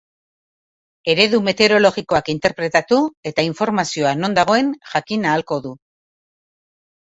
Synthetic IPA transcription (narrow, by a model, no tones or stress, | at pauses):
e̞ɾe̞ðume̞t̪e̞ɾo̞lo̞ɣiko̞akint̪e̞ɾpɾe̞t̪at̪ue̞t̪aiɱfo̞ɾmasio̞ano̞nd̪aɣ̞o̞e̞nʝakinaːlko̞ðu